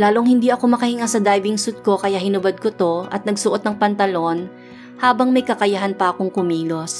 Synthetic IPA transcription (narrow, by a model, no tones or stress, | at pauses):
laːloŋhɪnd̪iʔɐko̞mɐkɐhɪŋasɐd̪ajbɪŋsʊt̪̚ko̞kɐjahɪnʊbɐd̪̚kot̪o̞ʔɐ̰t̪nɐɡsʊʔo̞t̪nɐŋpɐnt̪ɐlo̞n | haːbɐŋmɐjkɐkɐjɐɦanpɐʔɐko̞ŋkʊmiːlos